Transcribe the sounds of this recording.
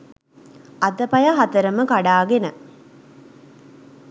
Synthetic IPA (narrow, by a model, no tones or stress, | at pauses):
ad̪əpɐjaɦat̪əɾəməkaɖaːɡenə